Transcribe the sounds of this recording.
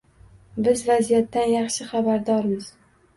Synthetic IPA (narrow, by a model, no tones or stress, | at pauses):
bɪzvazijat̪ːanjɑχʃɪχabaɾd̪ɒɾmɪz